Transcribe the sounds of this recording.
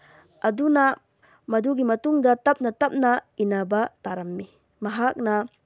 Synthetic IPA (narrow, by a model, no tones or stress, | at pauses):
ɐduna | mɐduɡimɐtuŋdɐt̪ɐp̚nɐtɐp̚nɐinabat̪aɾɐmːi | mɐɦak̚nɐ